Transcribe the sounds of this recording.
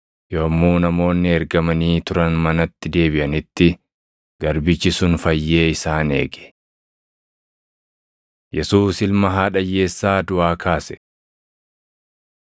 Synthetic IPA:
joːmːuːnɐmo̞ːnːɪɛɾɡɐmɐniːt̪ʊɾɐnmɐnɐt̪ːɪd̪e̞ːbɪʔɐnɪt̪ːɪ | ɡ̥ɐɾbɪt͡ʃːɪsʊnfɐjːe̞ːɪsaːne̞̰ːɡɛ̥ | jɛsuːsɪlmɐɦaːᶑɐjːe̞ːsːaːd̪ʊʔaːkʰaːsɛ̥

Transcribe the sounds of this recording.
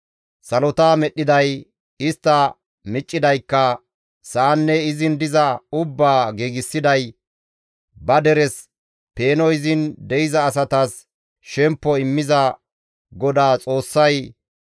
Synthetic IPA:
sɐlɔt̪aːmɛɗːɪd̪ɐj | ɪst̪ːɐ | mɪt͡ʃʼːɪd̪ɐjkːɐ | saːnːɛɪzɪnd̪ɪzɐʊbːaːɡeːɡɪsːɪd̪ɐj | bɐd̪ɛɾɛs | pe̞ːnɔjzɪnd̪ɛjɪzɐːs̬ɐt̪as | ʃɛmpːɔɪmːɪzɐ | ɡɔd̪aːt͡sʼo̞ːsːɐj

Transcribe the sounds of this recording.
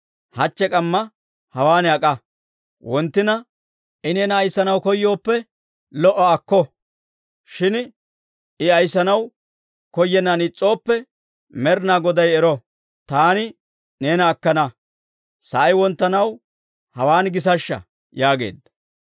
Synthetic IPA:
hɐt͡ʃːɛkʼɐmːɐ | hɐwaːnɐkʼɐ | wɔnt̪ːɪnɐ | ʔɪne̞ːnɐːjsːɐnɐwkɔjːo̞ːpːɛ | lɔʔːɐːkːɔ | ʃɪn | ɪɐjsːɐnɐw | kɔjːɛnːanɪt͡sʼːo̞ːpːɛ | mɛɾnaːɡɔd̪ɐjɛɾɔ | t̪aːnɪ | ne̞ːnɐːkːɐnɐ | sɐʔɐjwɔnt̪ːɐnɐw | hɐwaːnɡɪs̬ɐʃːɐ̰ | jaːɡe̞̰ːd̪ɐ̥

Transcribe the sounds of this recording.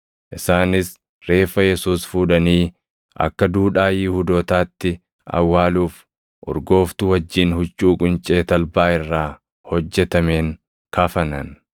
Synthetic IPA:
ʔɪsaːnɪs | ɾe̞ːfɐjɛsuːsfuːᶑɐniː | ʔɐ̰kːɐd̪uːᶑaːjɪhud̪oːt̪aːt̪ːɪ | ɐ̰wːaːluːf | ʔʊ̰ɾɡo̞ːft̪ʊwɐd͡ʒːiːnhʊt͡ʃʼːuːkʼʊnt͡ʃʼeːt̪ɐlbaːɪrːaː | hɔd͡ʒːɛt̪ɐme̞ːŋ | kʰaːfɐnɐn

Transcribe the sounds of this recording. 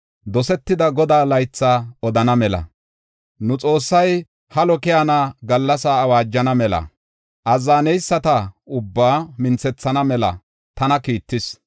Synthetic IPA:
d̪ɔsɛt̪ːɪd̪ɐɡɔd̪aːlɐjt͡sːaːɔd̪ɐnɐmɛlɐ̰ | nʊt͡sʼo̞ːsːɐj | hɐlɔkɪjanaːɡɐlːɐsaːwaːd͡ʒːɐnɐmɛlɐ̰ | ʔɐzːaːnɛjsːɐt̪ɐʊbːaːmɪnt͡sɛt͡sːɐnɐmɛlɐ̰ | t̪ɐnɐkiːt̪ːɪs

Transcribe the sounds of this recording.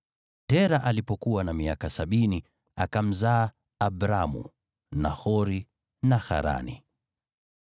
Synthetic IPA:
tɛɾaʔalipɔkuwanamiakasaɓini | a̰kam̩zaː | bɾamṵ | nahɔɾi | naxa̰ɾa̰nḭ

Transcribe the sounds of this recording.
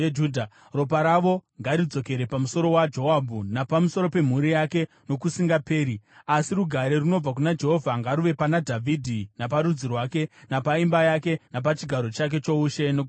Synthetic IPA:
uːdʱa | ro̞paɾaʋo̞ŋɡaɾid͡zo̞ke̞ɾe̞pamuso̞ɾo̞wad͡ʒo̞abʱunapamuso̞ɾo̞pe̞m̤uɾijake̞ | no̞kusiŋɡape̞ːɾiasiɾuɡʱaɾeruno̞b͡vak̬unad͡ʒe̞ɦo̞vʱaŋɡaɾuʋe̞panadʱavʱidʱinap̬aɾud͡zirwake̞napaimbajake̞nap̬at͡ʃiɡʱaɾo̞t͡ʃak̬e̞t͡ʃo̞uʃe̞nok

